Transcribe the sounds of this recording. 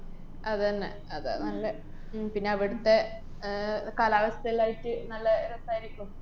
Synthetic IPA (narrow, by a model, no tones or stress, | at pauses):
ɐðenːɐ̰ | ɐðɐ̰nɐlːɐ | pinːe̞ɐʋiɽut̪ːe̞ | kaːlaːʋɐsɐt̪ɐilaːjitːɨnɐlːɐɾɐsaːjɾikʲːum